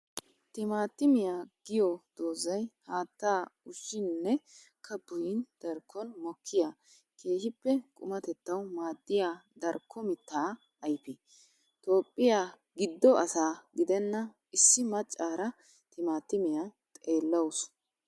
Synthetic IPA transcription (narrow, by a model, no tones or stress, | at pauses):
t̪ɪmaːt̪ːɪmɪjaːɡ̥ɪjɔd̪̥oːzɐjhaːt̪ːaːʊʃːɪnnːɛ | kʰɐbʊjɪnd̪̥ɐɾkʰːɔnmɔkʰːɪja | kʰe̞ːʃɪpːɛkʼʊmɐt̪ɛt̪ːɐwmaːd̪ːɪjaːd̪ɐɾkʰːɔmɪt̪ːaː | ɐjpɪ | t̪o̞ːpʼːɪja | ɡɪd̪ːɔʔɐsaːɡɪd̪ɛnːɐ | ɪsːɪmɐt͡ʃʼːaːɾɐ | t̪ɪmaːt̪ːɪmɪjat̪ʼe̞ːlːɐwʊs